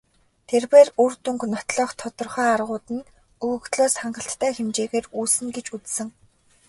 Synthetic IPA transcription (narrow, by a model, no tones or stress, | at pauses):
t̪ʰerpeːrurt̪uŋknɔt̪ɮɔːχt̪ʰːɔt̪ɞ̆rχœːarʁʊːt̪ɘ̆n | ɵɣɵ̆kt̪ɮoːsχaɴɢə̆ɬt̪ːʰæːxemt͡ɕeːɣeːruːsɘ̆ŋɡet͡ɕut͡ssɘ̆ŋ